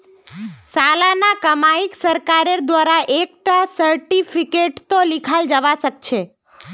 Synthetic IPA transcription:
salanakəmaiksəɾkaɾəɾd̪ʋaɾaʔek̚ʈasəɾʈifʰikeʈt̪olikʰald͡ʒəʋaʃəkt͡ʃʰe

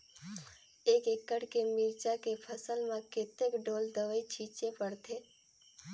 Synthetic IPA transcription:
eːkekːəɽkemiːɾt͡ʃakepʰəsəlmẽkɪt̪ekɖoːld̪əʋəit͡ʃʰiːt͡ʃepəɽt̪ʰeː

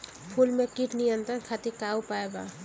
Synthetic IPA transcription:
pʰulmekiʈnijənt̪ɾənkʰat̪ikawpaeɡa̰

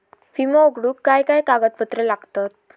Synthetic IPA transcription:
fimooɡɽuːkːajkajkaɡət̪̚pət̪ɾelaɡt̪at̪̚

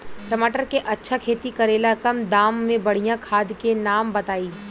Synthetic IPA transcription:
ʈɐmaːʈəɾkeʔɐtːʃʰakʰeːt̪ikɐɾeːlakɐmd̪aːmːẽbɐɽ̤ijãkʰaːd̪kenaːmbɐt̪aːiː

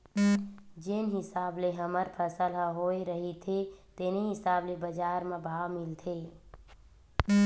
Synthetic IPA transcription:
d͡ʒenɦɪsaːbleɦəməɾpʰəsəlɦəɦoeɾəɦit̪ʰet̪eneɦisaːblebəd͡ʒaːɾmebʱawmilt̪ʰe

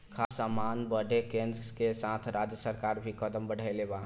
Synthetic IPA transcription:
kʰasəmanbəɖekẽnd̪ɾəkesat̪ʰɾad͡ʒjəsəɾkaːɾbʱikəd̪əmbəɽ̤ʱaleba

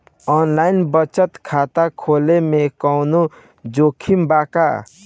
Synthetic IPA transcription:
ɔnlainbət͡ʃət̪kʰat̪akʰoːlemekɔwnu | d͡ʒoːkʰimbaka̰

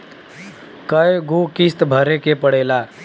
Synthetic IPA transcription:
kəjɡokist̪bʱəɾekepəɽeːla

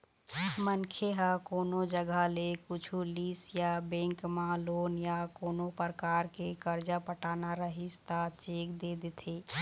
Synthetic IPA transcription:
mənkʰeɦakoːnod͡ʒəɡəlekʊt͡ʃʰuliːsjabɛ̃ːŋkmãloːnjakoːnopəɾkaːɾkekəɾd͡ʒapəʈaːnaɾəɦist̪at͡ʃeːkd̪ed̪et̪ʰeː

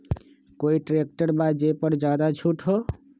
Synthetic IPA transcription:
koiʈɾek̚ʈəɾbad͡ʒepəɾd͡ʒad̪at͡ʃʰuʈɦo

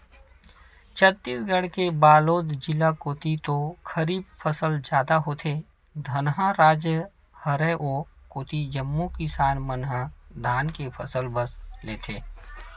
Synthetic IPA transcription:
t͡ʃʰət̪ːiːsɡəɽkebaːloːd̪d͡ʒɪlakoːt̪it̪okʰəɾiːbfʰəsəld͡ʒjaːd̪aɦoːt̪ʰe | d̪ʱɐnɦãɾaːd͡ʒjə | həɾeʔoːkoːt̪id͡ʒəmːukɪsaːnmənɦad̪ʱaːnkepʰə̰səlbəsleːt̪ʰeː

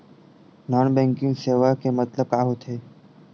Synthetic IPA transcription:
nɔːnbɛ̃ŋkɪ̃ŋɡseːʋakemət̪ləb̚kaːɦot̪ʰeː

